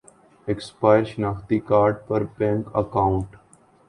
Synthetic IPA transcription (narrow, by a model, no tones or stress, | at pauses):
ekspaːɪəɾʃnaːkʰt̪ikaːɾɖ̚pəɾbɛ̃ːŋkə̰kãːʊ̃ɳʈ